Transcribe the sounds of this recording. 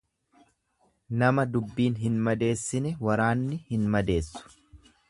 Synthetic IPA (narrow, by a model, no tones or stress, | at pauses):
nɐmɐd̪ʊbːiːnɦɪnmɐd̪e̞ːsːɪnɛwɐɾaːnːɪhɪnmɐd̪e̞ːsːʊ̥